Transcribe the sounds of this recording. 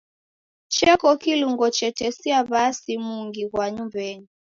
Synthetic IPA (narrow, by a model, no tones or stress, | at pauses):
t͡ʃɛkɔkiluŋɡɔt͡ʃɛtɛsiaβasimuŋɡiɣwaɲumvɛɲi